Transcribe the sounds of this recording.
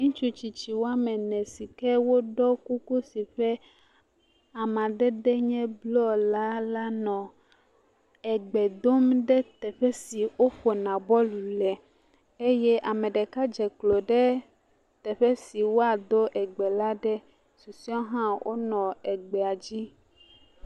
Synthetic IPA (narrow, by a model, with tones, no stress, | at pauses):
ŋũ˦t͡ʃu˦t͡ɕi˨t͡ɕi˨wo˦a˦mɛ˨nɛ̃˨si˨kɛ˦wo˦ɖɔ˦ku˦ku˦si˨ɸɛ˦ | a˨mã˨ɖɛ˦ɖɛ˦ɲɛ̃˦blɔ˦la˦la˦nɔ̃˨ | ɛ˨ɡ͡bɛ˨d̪o˦mɖɛ˦t̪ɛ˨ɸɛ˦si˨wo˦ɸo˨nã˨bɔ˦lu˨lɛ˨ | e˦jɛ˦ʔa˨mɛ̃˨ɖɛ˨ka˦d͡ʒɛ˨klo˨ɖɛ˦ | t̪ɛ˨ɸɛ˦si˨wo˦a˨d̪o˦ʔɛ˨ɡ͡bɛ˨la˦ɖɛ˦ | su˨si˦ɔ̃˦ɦã˦wʔo̰˦nɔ̃˨ɛ˨ɡ͡bɛ˨a˨d͡ʑi˦